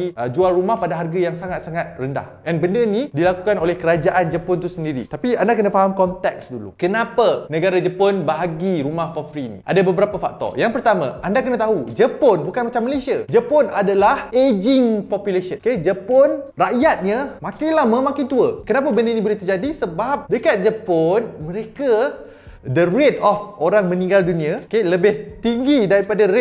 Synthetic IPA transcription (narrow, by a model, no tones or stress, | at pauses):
iəd͡ʒualrumahpadaɦarɡajaŋsaŋat̪̚saŋat̪̚rənda̰hʔɛnbəndənidilakukanolɛhkəɾad͡ʒaʔand͡ʒəpont̪usəndiɾḭt̪apiandakənafaɦamkɔnt̪ɛk̚sdulṵkənãpanə̃ɡaɾad͡ʒəponbaɦaɡiɾumahfɔfɾinḭʔa̰dabəbəɾapafak̚t̪ɔ̰jaŋpərt̪amã̰ʔandakənat̪aɦud͡ʒəponbukanmat͡ʃamːəlesiad͡ʒəponadalahed͡ʒɪŋpɔpjulesənked͡ʒəponraʔjat̪̚ɲãmãkajlamãmakɪnt̪uəkənapabənənĩbolet̪ərd͡ʒadisəbap̚dəkat̪̚d͡ʒəponmə̃ɾeka | dəɾet̪ɔfoɾaŋmə̃nĩŋɡaldunĩaokeləbɪht̪iŋɡidaɾipadaɾe